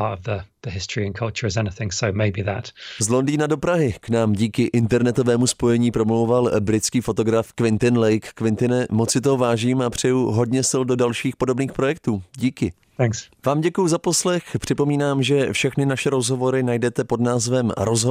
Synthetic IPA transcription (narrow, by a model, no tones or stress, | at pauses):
ɑːˑtəvðəðəhɪstɹ̥iə̃nkʰʌlˠt͡ʃəɹɪzɛnɪθɪ̃ŋsoʊmeɪbiðə̰tzlo̞ndiːnado̞pɾaɦɪknaːmɟiːkɪʔɪnt̪ɛɾnɛt̪o̞vɛːmuspo̞jɛɲiːpɾo̞mlo̞wvalbɾɪt͡skiːfo̞t̪o̞ɡɾafkvɪnt̪ɪnlɛjkːvɪnt̪ɪnɛmot͡sɪt̪oɦovaːʒiːmapr̝̥ɛjuɦo̞dɲɛsɪldo̞dalʃiːxpo̞do̞bniːxpɾo̞jɛk̚t̪uːɟiːkɪ | θæ̃ŋksvaːmɟɛkujuzapo̞slɛxpr̥ɪpo̞miːnaːmʒɛfʃɛxnɪnaʃɛɾo̞zɦo̞vo̞ɾɪnajdɛt̪ɛpo̞dnaːzvɛmɾozɦo